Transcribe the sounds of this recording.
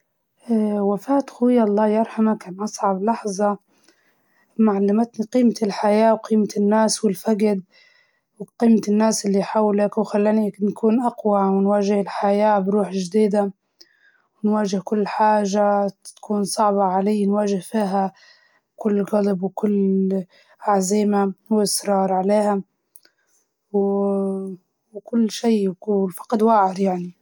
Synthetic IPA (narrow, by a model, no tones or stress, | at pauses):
ʔawafaːt̪xʊwɪjːaʔɑlˤːɑːjɑɾˤħamakaːnʔɑsˤʕɑblɑħzˤɑ | maʕalːamat̪niqiːmat̪ɪlħajaːwqiːmaɪnːaːswɪlfaɡd̪̚ | wqiːmat̪ɪnːaːsɪlːiħawlakwxalːaːninkʰuːnʔaqwawɪnwaːʒɪhɪlħajaːbɾuːħɪʒd̪iːd̪a | wɪnwaːʒɪhkʊlːħaːʒat̪ḁkʰuːnsˤɑʕbɑʕalɪjːnwaːʒɪhfiːɦa | kʊlːɣɑlbwkʊlː | ʔaʕziːmawʔɪsɾˤɑːɾˤʕaleːha | w | wkʊlːʃiːkulfɑ̥qd̪waːʕɪɾjaʕni